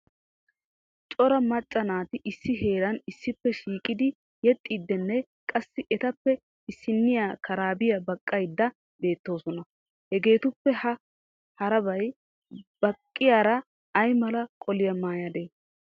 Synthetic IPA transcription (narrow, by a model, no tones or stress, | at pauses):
t͡ʃʼɔɾɐmɐt͡ʃʼːɐnaːt̪ɪʔɪsːɪɦe̞ːɾɐnɪsːɪpːɛʃiːkʼɪd̪ɪ | jɛt̪ʼːiːd̪ːɛnːɛ | kʼɐsːɪʔɛt̪ɐpːɛ | ɪsːɪnːɪjaːkʰɐɾaːbɪjɐbɐkʼːɐjd̪ːɐ | be̞ːt̪ːo̞ːsɔnɐ | hɛɡe̞ːt̪ʊpːɛhɐ | hɐɾɐbɐj | b̥ɐkʼːɪjaːɾɐː | jmɐlɐkʼɔlɪjɐmaːjad̪eː